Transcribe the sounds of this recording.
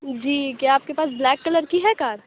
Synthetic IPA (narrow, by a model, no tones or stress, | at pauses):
d͡ʒiːkjaaːp̚kepaːs̬blɛːkːɐləɾkiɦɛkaːɾ